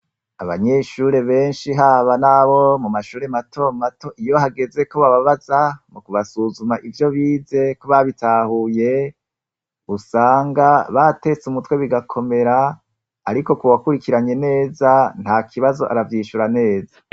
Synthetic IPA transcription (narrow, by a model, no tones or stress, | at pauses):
aβa̰ɲe̞ʃuːɾe̞βe̞ːnʃiɦaːβanaβo̞mumaʃuːɾemato̞mato̞ʔijo̞haɡe̞ze̞koβaβaβazamukuβasuzumaʔivjo̞βiːze̞koβaβitaːhuje̞ | usaːŋɡaβate̞t͡sumutwe̞βiɡakʰo̞me̞ɾaː | ɾiko̞kuwakuɾikiɾaɲe̞ne̞ːzan̥haːkʰiβazo̞ʔa̰ɾavjiːʃuɾane̞ːza